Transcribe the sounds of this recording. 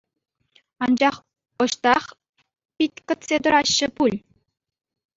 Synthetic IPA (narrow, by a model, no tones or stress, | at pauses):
ɑnd͡ʑɑχ | ŏɕt̪ɑχ | pʲitʲkɤ̆t̪sʲed̪ɤ̆ɾɑɕːɘ̆pulʲ